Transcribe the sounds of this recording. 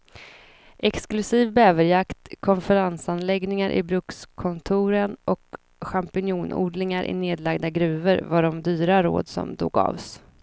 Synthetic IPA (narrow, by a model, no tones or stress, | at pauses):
ʔɛksklɵsiːvbɛːvəɾjakt̪kʰɔnfɛɾansanlɛɡnɪŋaɾʔɪ̰bɾɵkskʰɔnt̪ʰuːɾənʔɔk | ɧampɪnjuːnṵːɖlɪŋaɾʔɪ̰neːd̪laɡd̪aɡɾʉ̟ːvəɾvaɖɔmd̪yːɾaɾo̰ːd̪sɔ̰md̪o̰ːɡɑ̰ːvs